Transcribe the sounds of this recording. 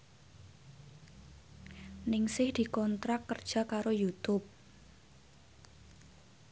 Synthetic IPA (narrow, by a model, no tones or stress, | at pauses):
nɪŋsɪhd̪̥i̤kɔnt̪ɾakːərd̥ʒ̥a̤kaɾojut̪ʊp̚